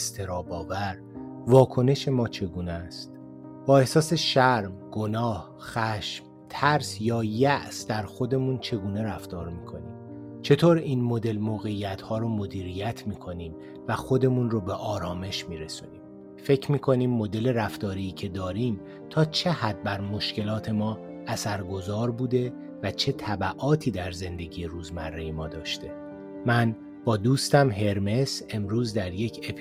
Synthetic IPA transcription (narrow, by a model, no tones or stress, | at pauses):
st̪ʰe̞ɾɒːbɒːvæɾ | vɒːkʰo̞ne̞ʃe̞mɒːt͡ʃʰe̞ɡuːnest̪ | b̥ɒːe̞hsɒːse̞ʃæɾmɡ̥o̞nɒːh | xæʃm | t̪ʰæɾsjɒːjæʔsd̪æɾxo̞d̪e̞munt͡ʃʰe̞ɡuːne̞ɾæft̪ɒːɾmiːkʰo̞̰nḭːm | t͡ʃʰe̞t̪ʰoːɾiːnmo̞d̪e̞lmoːɣe̞jæt̪ʰhɒːɾomod̪iːɾijæt̪ʰmiːkʰo̞niːm | væxo̞d̪e̞munrobeʔɒːɾɒːme̞ʃmiːɾe̞suniːm | fe̞cʰmiːkʰo̞niːmːo̞d̪e̞le̞ɾæft̪ɒːɾiːcʰe̞d̪ɒːɾiːm | t̪ʰɒːt͡ʃʰe̞hæd̪̚bæɾmo̞ʃce̞lɒːt̪ʰe̞mɒː | æsæɾɡo̞zɒːɾbuːd̪e̞ | væt͡ʃʰe̞t̪ʰæbæʔɒːt̪ʰiːd̪æɾze̞nd̪e̞ɟiːjeɾuːzmærːe̞jemɒːd̪ɒːʃt̪e̞ | mæn | b̥ɒːd̪uːst̪æmɦe̞ɾme̞se̞mɾuːzd̪æɾje̞cʰep